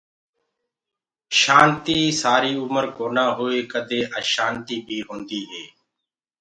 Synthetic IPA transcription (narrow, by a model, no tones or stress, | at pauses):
ʃaːnt̪iːsaːɾiːʊməɾkoːnãːɦoːeːkəd̪ʱeːʔəːʃaːnt̪iːbʱiːɦõːnd̪iːɦeː